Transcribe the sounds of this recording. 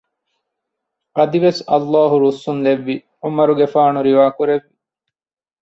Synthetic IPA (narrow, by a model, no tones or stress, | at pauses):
ɐd̪iʋesɐlːaːɦuɾusunleʋːi | ʊmɐɾuɡefaːɳuɾiʋaːkuɾeʋːi